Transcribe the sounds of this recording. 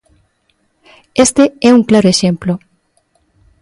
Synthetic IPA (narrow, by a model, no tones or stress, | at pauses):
est̪eɛuŋklaɾoeʃẽmplo